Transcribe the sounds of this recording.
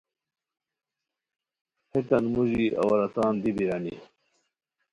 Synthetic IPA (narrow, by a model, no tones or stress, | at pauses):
het̪ɐnmuʑiʔɐ̰wɐɾɐt̪aːnd̪ibiɾɐni